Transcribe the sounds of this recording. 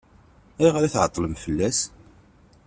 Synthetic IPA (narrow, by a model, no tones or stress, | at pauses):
æʁɾæθʕət̪ˤːləmfəlːæs